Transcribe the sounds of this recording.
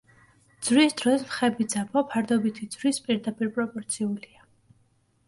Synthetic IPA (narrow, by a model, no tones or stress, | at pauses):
d̪z̥wisd̪ɾɔsmχɛbid̪zabʰɔpʰaɾd̪ɔbit̪ʰid̪z̥ɾispʼiɾd̪apʼiɾpʼɾɔpʼɔɾt̪sʰiulia